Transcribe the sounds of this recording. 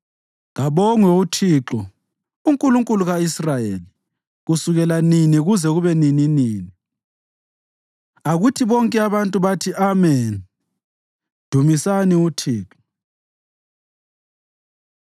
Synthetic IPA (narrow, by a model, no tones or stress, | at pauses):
ɣaβɔŋwɛutʰiːǁɔ | uŋkʼuluŋkʼuluɣaisrajeli | ɣusuɣɛlaniniɣuzɛɣuβɛnininiːni | aɣutʰiβɔŋkʼɛaβantʼuβatʰiʔamɛn | d̥ʱumisaniutʰiːǁɔ